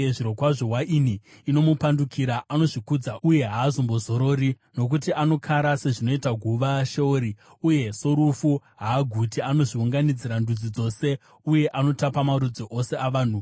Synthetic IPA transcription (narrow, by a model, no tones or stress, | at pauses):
eʐiɾo̞kwaʐoɦwaʔiniːno̞mupandukʰiɾaʔano̞ʐikud͡zauje̞ɦaːzombo̞zo̞ɾo̞ɾi | no̞k̬utiʔano̞kʰaɾase̞ʐino̞itaɡʱuʋaʃeoɾi | uje̞so̞ɾufuɦaːɡʱutiano̞ʐiuŋɡanid͡ziɾandud͡zid͡zo̞se̞ | uje̞ʔano̞tapamaɾud͡zoʔo̞se̞aʋaːn̤u